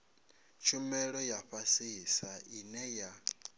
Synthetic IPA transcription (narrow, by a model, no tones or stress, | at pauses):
t͡ʃʰumɛɺɔjaɸasiisainɛja